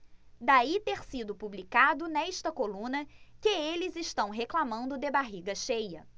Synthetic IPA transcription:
d̪ait̪eɾsid̪ʊpublikad̪ʊnɛʃt̪ɐkolũnɐkɪelɪzɪʃt̪ɐ̃w̃ɦeklamɐ̃nd̪ʊd̪ebaɦiɡɐʃejɐ

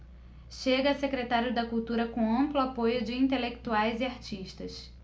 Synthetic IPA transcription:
ʃeɡɐːsekɾet̪aɾjʊd̪ɐkuwt̪uɾɐkõɐ̃mplʊapojʊd͡ʒɪĩnt̪elek̚t̪uajzɪaɾt͡ʃiʃt̪ɐs

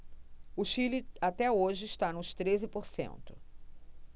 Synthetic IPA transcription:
ʊʃilɪat̪ɛoʒɪːst̪anʊst̪ɾezɪpoɾsḛ̃nt̪ʊ̥

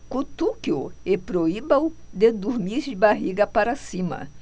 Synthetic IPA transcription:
kut̪ukioepɾoibɐwd̪ed̪uɾmiɾd͡ʒɪbaɦiɡɐpaɾasĩmɐ̰

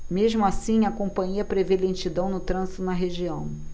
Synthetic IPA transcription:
meʒmʊasĩɐkõpɐ̃ɲiɐpɾevelẽnt͡ʃid̪ɐ̃w̃nʊt̪ɾɐ̃zit̪ʊnɐɦeʒiɐ̃w̃

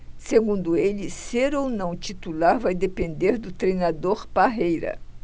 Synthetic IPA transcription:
seɡũnd̪ʊeliseɾownɐ̃w̃t͡ʃ̪it̪ulaɾvajd̪epẽnd̪eɾd̪ʊt̪ɾejnad̪oɾpaɦejɾɐ̰

